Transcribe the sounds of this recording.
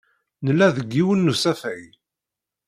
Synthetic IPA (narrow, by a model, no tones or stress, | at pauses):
nəlːæðəɡːiwənːusæfæj